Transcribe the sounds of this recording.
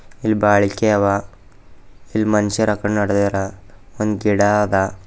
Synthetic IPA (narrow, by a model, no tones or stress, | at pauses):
ilbaːɭikeɐʋa | ilmɐnʃɐɾɐkɐɳɖnɐɽd̪eːɾaond̪ɡiɽad̪a